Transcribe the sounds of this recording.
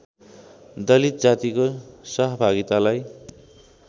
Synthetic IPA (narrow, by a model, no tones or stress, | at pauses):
d̪ʌlit̪̚d͡zat̪ikosʌɦʌbʱaɡit̪alaj